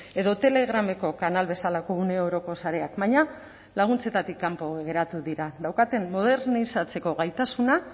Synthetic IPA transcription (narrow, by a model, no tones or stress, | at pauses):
e̞ðot̪e̞le̞ɣ̞ɾame̞ko̞kanalβe̞salako̞une̞o̞ɾo̞ko̞saɾe̞akbaɲa | laɣ̞unt͡se̞t̪at̪ikːampo̞ɣe̞ɾat̪uðiɾaðawkat̪e̞mːo̞ðe̞ɾnisat͡se̞ko̞ɣajt̪asuna